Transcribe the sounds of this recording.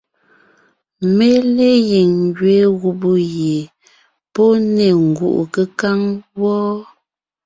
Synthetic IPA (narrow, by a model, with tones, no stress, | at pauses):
me˦le˦je˨ŋɡɥe˨˦ɣu˨bu˦je˨ | po˦ne˨ŋ̩˨ɡṵ˨ʔṵ˨kə˦ka˦ŋwɔ˦